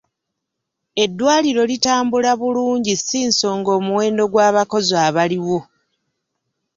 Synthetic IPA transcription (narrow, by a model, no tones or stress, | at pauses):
e̞dːwaːliɾo̞litaːmbulaβuluːɲɟisiːnso̞ːŋɡo̞ːmuweːndo̞ɡwaːβako̞zaːβaliwo̞